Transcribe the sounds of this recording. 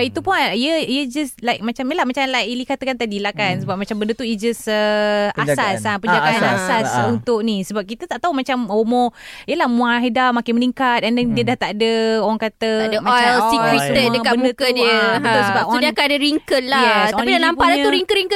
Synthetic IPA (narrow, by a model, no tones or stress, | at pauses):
bait̪upuiəijəd͡ʒəslajk̚mat͡ʃamjəlahmat͡ʃanlajilikat̪əkant̪adilahkansəbap̚mat͡ʃambəndət̪uid͡ʒəsəasasapəd͡ʒaɡaanasasunt̪ʊʔnisəbap̚kit̪ət̪aʔt̪aumat͡ʃamomoiəlahmũãɦedamakɪnməniŋkat̪̚ɛnɛŋdiədaht̪aʔdəoaŋkat̪ədəmãɔajlsiistədəkabəmduəkədiəət̪ʊsəbaundiakanadəɾiŋkət̪̚lajɛst̪apidanaamppaʔlauɾiŋkət̚ɾiŋkə